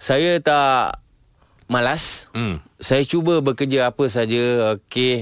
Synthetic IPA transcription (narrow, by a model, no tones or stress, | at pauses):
sajət̪aʔ | malas | sajat͡ʃubəbəkəd͡ʒəapəs̬ad͡ʒəoke